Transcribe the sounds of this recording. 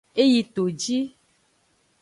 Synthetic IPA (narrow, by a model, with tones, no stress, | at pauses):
e˦ji˨t̪o˨d͡ʒi˦